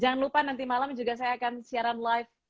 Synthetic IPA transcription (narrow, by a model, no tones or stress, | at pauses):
d͡ʒaŋanlupanant̪imalamd͡ʒuɡas̬ajaːkansiaɾanlajf